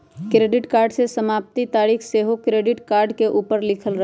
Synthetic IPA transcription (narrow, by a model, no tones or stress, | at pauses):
kɾeːɖɪʈkaːɾɖsesəmaːp̚t̪it̪aːɾiːxseːɦokɾeːɖɪʈkaːɾɖkeʔuːpəɾlɪkʰəlɾɐɦ